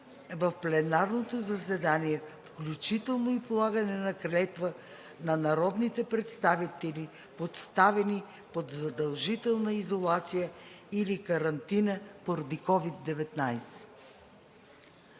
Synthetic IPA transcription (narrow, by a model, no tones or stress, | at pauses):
vɐfplɛnaɾnot̪ozəsɛd̪aniɛfklʲut͡ʃit̪ɛlˠnoipolˠaɡənɛnɐkɾɛt̪və | nɐnɐɾɔd̪nit̪ɛpɾɛt̪st̪avit̪ɛli | pot̪st̪avɛni | pod̪zɐd̪ɐlˠʒit̪ɛlˠnəizolˠat̪sijəilikɐɾɐnt̪inəpoɾɐd̪ikɔvid̪ːɛvɛt̪najsɛ̥